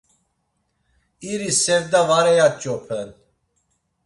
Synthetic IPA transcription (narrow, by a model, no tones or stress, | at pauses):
iɾisɛvd̪avaɾɛjat͡ʃʼɔpʰɛn